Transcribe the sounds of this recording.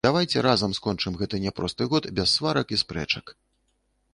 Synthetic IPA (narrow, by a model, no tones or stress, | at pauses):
d̪̥avajt͡sʲɛɾazɐmskɔnt͡ʂɨmɣɛt̪ɨnʲɛpɾɔst̪ɨɣɔt̪bʲɛsːvaɾɐkispɾɛ̰t͡ʂɐk